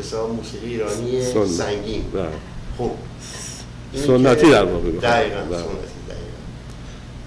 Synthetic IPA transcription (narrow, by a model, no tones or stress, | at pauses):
hesɒːbmuːsiːɣiːɾɒːniessonːæŋɡiːnba | xub | isonːæt̪ʰid̪aɾbɒːʁebed̪æiːɣænsonːæ̰t̪ʰid̪æ̰iːɣæn